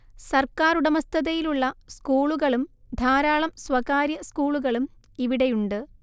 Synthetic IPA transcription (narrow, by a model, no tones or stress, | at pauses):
sɐrkaːɾuɽɐmɐst̪ʰɐðɐjiluɭːɐskuːɭuɣɐɭum | d̪ʱaːɾaːɭɐmswɐɣaːɾjɐskuːɭuɣɐɭum | iʋiɽejuɳɖɨ